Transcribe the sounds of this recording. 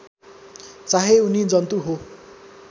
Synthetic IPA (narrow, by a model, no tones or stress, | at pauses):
t͡saɦeunid͡zʌnt̪uɦo